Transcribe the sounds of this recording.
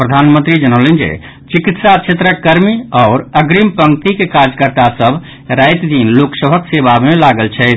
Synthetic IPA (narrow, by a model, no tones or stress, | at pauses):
pɾəd̪ʱanmənt̪ɾid͡ʒənəlend͡ʒḛ | t͡ʃikit̪sat͡ʃʰet̪ɾəkːəɾmiɔʊɾəɡɾimpəŋkt̪ikekad͡ʒkəɾt̪asəbʱ | ɾajt̪d̪inloksəbʱəksebamelaɡəlt͡ʃʰɛt̪